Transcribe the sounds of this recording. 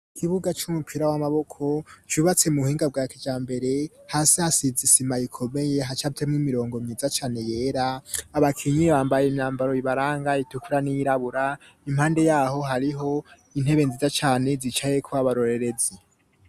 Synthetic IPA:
kʰiβuɡat͡ʃumupʰiɾawamaβo̞kʰo̞t͡ʃuβat͡se̞muhiːŋɡab̚ɡaːkid͡ʒaːmbe̞ɾe̞haːsihasizisimajikʰo̞me̞je̞ɦat͡ʃafitʰemŋimiɾo̞ːŋɡo̞mizat͡ʃaːne̞je̞ːɾaːβakʰiɲiβaːmbajemɲaːmbaɾo̞iβaɾaːŋɡaitukuɾanijiɾaβuɾa | im̥haːnde̞jaːho̞ɦaɾiɦo̞ | in̥he̞βe̞nzizat͡ʃaːne̞zit͡ʃaje̞kʰoaβaɾo̞ɾe̞ɾe̞ze

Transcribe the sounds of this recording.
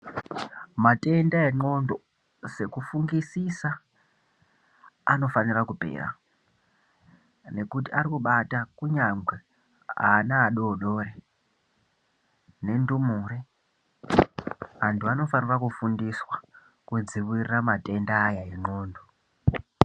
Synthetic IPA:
mate̞ndae̞ŋ͡ǃo̞ndo | se̞kufuŋɡisisa | no̞fanirakupe̞̰ːra̰ | ne̞kutiaɾikuɓatakuɲaŋɡwe | a̰ːnaːɗoːɗo̞ːre | ne̞ndumuɾe | antuano̞fanirakufundiswa | kud͡ziwiriramate̞ndaːjae̞ŋ͡ǃo̞ːndo

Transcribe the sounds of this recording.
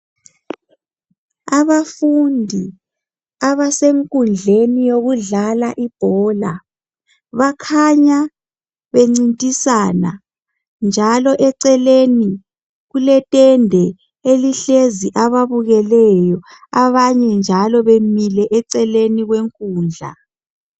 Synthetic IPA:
aβafundʱi | aβaseŋkʼund͡ɮʱenijoɣuɮalaʔib̥ʱɔːla | βakʰaɲa | βeŋ͡ǀintʼisaːna̰ | nd͡ʒʱalɔʔɛǀɛleni | ɣulɛtʼɛndʱɛ | eliɬeziʔaβaβuɣɛlɛjɔ | aβaɲɛnd͡ʒʱalɔβemilɛʔɛǀɛleniɣweŋkʼuːnd͡ɮʱa̰

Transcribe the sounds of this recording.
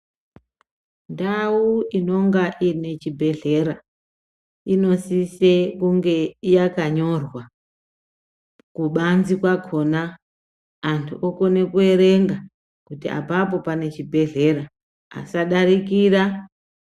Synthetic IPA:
ndauino̞ŋɡaʔine̞t͡ʃibʱe̞ɮe̞ɾa | ino̞sise̞kuŋɡe̞ijakaɲo̞rwa | kuɓanzikwakʰo̞naː | ntʰuʔoko̞ne̞kue̞ɾe̞ŋɡa | kutia̰pap̬o̞pane̞t͡ʃibʱe̞ɮe̞ɾa | a̰saɗaɾikiːra

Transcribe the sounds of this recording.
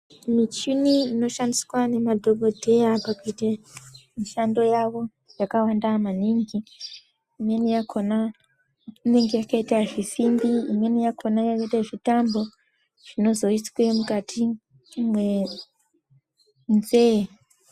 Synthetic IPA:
mit͡ʃuniino̞ʃandiswane̞madʱo̞bʱo̞dʱe̞apakuitemiʃando̞jaʋo̞ | jakawandamaniŋɡiː | mwe̞nijakʰo̞na | ine̞ŋɡe̞jakaitaʐisimbiimwe̞nijakʰo̞najakaitaʐitambo̞ | ʐ̥ino̞zo̞iswemukatʰi | mwe | nze

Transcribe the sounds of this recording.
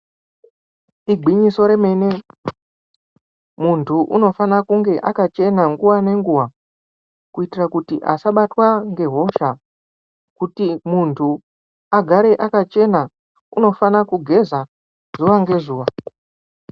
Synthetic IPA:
iɡʱiɲiso̞ɾe̞me̞ːne̞ | muntʰuʔuno̞fanakuŋɡe̞ʔakat͡ʃe̞naŋɡuwane̞ŋɡuwa | kuitirakutiʔa̰saɓatwaŋɡe̞ɦo̞ʃa | kutimuntʰu | aɡʱaɾe̞ʔakat͡ʃe̞na | uno̞fanakuɡʱe̞za | zz̥uʋaŋɡe̞zuːʋa

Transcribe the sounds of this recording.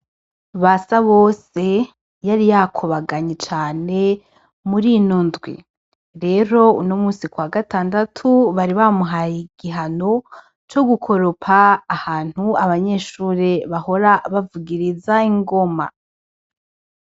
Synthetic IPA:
βasaβoːse̞ | jaɾijakʰoβaɡaɲet͡ʃaːne̞ | muɾinondɡwḭ | ɾe̞ɾo̞unomuːsikwaːɡataːndatʰuβaɾiβamuɦajiɡiɦano̞ | t͡ʃo̞ɡukʰo̞ɾo̞pʰaːhaːn̥huaβaɲe̞ʃuːɾe̞βaho̞ɾaβavuɡiɾizaiŋɡo̞ma̰

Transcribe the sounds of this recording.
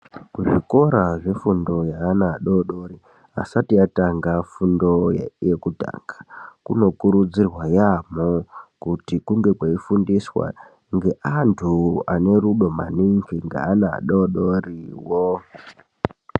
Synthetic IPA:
kuʐiko̞ɾaʐe̞fundo̞jaːnaɗoɗoɾi | a̰satiataŋɡafundo̞ja̰jekuta̰ːŋɡakuno̞kuɾud͡zirwajamokutikuŋɡe̞kwaifundiswa̰ | ŋɡe̞ʔantʰuane̞ɾuɗo̞ma̰niŋɡiŋɡa̰ːna̰ɗoɗoriwo

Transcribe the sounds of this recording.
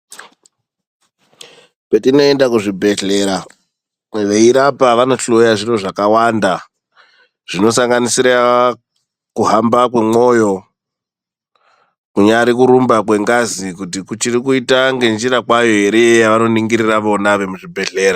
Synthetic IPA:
petino̞e̞ndakuʐibʱe̞ɬe̞ɾa | ʋe̞iɾapaʋano̞ɬojaʐiro̞ʐakawanda | ʐ̥ino̞saŋɡanisiɾa | kuɦambak̬we̞mo̞jo̞ | kuɲaɾikuɾumbakwe̞ŋɡazikutikut͡ʃirikuitaŋɡe̞nd͡ʒiɾakwajo̞ɦe̞ɾejejaʋano̞niŋɡiɾiraʋo̞naʋe̞muʐibʱe̞ɬe̞ːɾa

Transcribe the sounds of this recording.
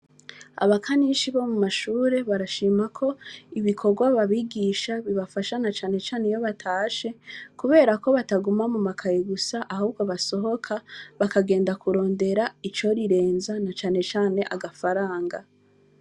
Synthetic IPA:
a̰βakʰaniʃiβomumaʃuːɾe̞βaɾaʃiːmakʰo̞iβikʰo̞ɾɡwaβaβiɡiːʃaβiβafaʃanat͡ʃaːne̞t͡ʃaːnejo̞βatʰaːʃe̞kuβe̞ːɾako̞βataɡumamumakʰajeɡusaʔahuːb̚ɡoβaso̞ɦo̞kʰaβakaɡe̞ːndakuɾo̞ːnde̞ɾait͡ʃo̞ɾiɾe̞ːnzanat͡ʃaːne̞t͡ʃaːne̞ʔaɡafaɾaːŋɡa

